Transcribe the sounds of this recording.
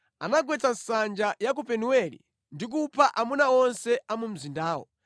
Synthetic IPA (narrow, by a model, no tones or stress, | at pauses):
a̰naɡwɛt͡sansand͡ʒajak̬upɛnuwɛlḭ | ndik̬upʰaʔamunaɔnsɛamum̩zindaːwɔ̰